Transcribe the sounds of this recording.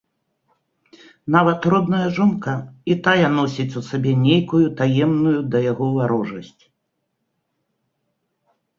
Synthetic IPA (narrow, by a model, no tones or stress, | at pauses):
navɐt̪rɔd̪nɐjɐʐɔnkɐit̪ajɐnɔsʲit͡sʲusabʲɛnʲejkujut̪ajɛmnujud̪ɐjaɣɔvaɾɔʐɐsʲt͡sʲ